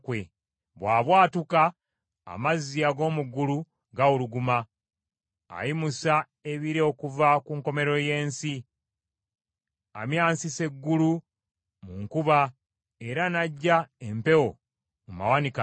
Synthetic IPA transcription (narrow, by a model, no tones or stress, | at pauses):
kwe | βwaːβwaːtuka̰ː | mazijaɡo̞ːmuɡulu | ɡauluɡuma | jimusa | e̞βiɾeokuvakuŋko̞me̞ɾo̞je̞ːnsi | a̰mjaːnsise̞ɡːulu | muŋkuβa | e̞ɾanaɟːaempe̞wo̞ | muma̰wanik